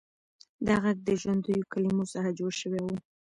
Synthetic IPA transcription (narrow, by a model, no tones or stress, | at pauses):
d̪ɑɣaɡ̚d̪əʒwand̪ujokalimosaɦad͡ʒoʃəwewu